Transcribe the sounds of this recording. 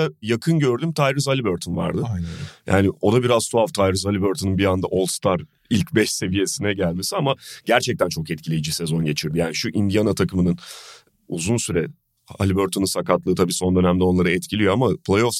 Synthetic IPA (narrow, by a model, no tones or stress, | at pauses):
ajakʰɯnɟø̞ɾd̪ymt̪ʰajɾɯzalʲibøɾt̪ʰonva̰ɾd̪ɯjʔa̰ːnɪo̞d̪abiɾazsʰuaft̪ʰajɾɯzalʲibøɾt̪ʰonunbiand̪aʔo̞lˠst̪ʰaɾ | ilʲcbɛʃse̞vije̞sinɛɟælʲmesiamaɟ̥æɾt͡ʃʰɛc̚t̪ʰænt͡ʃʰo̞kɛt̪̚cʰilʲe̞jid͡ʒise̞zo̞nɟe̞t͡ʃʰiɾd̪ijaːniʃuʔind̪ijanat̪ʰakɯmɯnɯn | uzunsyɾɛ | a̰lʲibøɾt̪ʰonɯnsakat̪lˠɯːt̪ʰabiːso̞nd̪ø̞næmd̪ɛo̞nlˠaɾɯɛt̪cʰilʲijo̞amapʰlʲejo̞fs